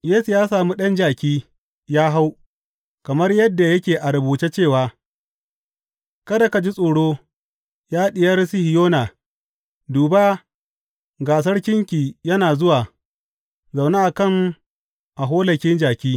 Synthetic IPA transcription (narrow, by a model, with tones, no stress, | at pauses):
jeː˦su˨jaː˦saː˨mu˦ɗɐ˦nd͡ʒaː˨kʲiː˦ | jaː˦ɦa˦w | kɐ˨mɐ˦rjɐ˦dːa˨jɐ˦kʲeː˨ʔa˨ɾɐ˨buː˨t͡ʃe˦t͡ʃeː˦˨waː˨ | kɐ˦da˨ka˨d͡ʒi˦sʼoː˨ɽoː˦ | jaː˦ɗɪ˨jɐ˦rsɪ˦hɪ˨joː˦naː˨ | duː˨ba˦ | ɡaː˨s̬ɐ˦rkʲɪ˦ŋkʲiː˨jɐ˦naː˨zʊ˦waː˨ | za˨wna˦ʔa˨kɐ˦˨ŋ | ʔa˨ɦoː˦lɐ˨kʲɪ˦nd͡ʒaː˨kʲiː˦